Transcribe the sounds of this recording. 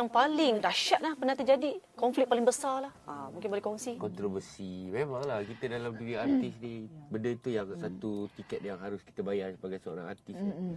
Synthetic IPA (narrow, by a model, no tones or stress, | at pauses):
aŋpalɪŋdaʃaʔ̪̚lahpənaht̪əd͡ʒadikɔɱflɪtk̚palɪŋbəsalahamuŋkɪnbolɛkɔŋsikɔnt̪ɾovəsimemaŋlahkit̪ədalamdiɾiart̪ɪsnibəndət̪ujaŋsat̪ut̪ikɛt̪̚jaŋɦaɾʊski̥t̪əbajaŋsəbaɡajsəo̰ɾa̰ŋa̰rt̪ɪsni